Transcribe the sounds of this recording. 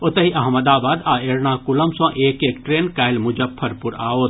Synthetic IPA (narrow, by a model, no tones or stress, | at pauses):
ot̪ɐɦiʔɐɦməd̪aːbaːd̪aːeːɾnaːkʊlɐmsõːʔeːkeːkʈɾeːnkaːɪlmʊd͡ʒɐpʰːɐɾpʊɾa̰ːoːt̪